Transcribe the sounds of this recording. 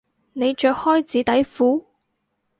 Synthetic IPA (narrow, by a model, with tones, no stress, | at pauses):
ne˨˧jt͡ʃœː˨˧k̚hɔː˥jt͡siː˨˥t̪ɐ˨˥jfuː˨˥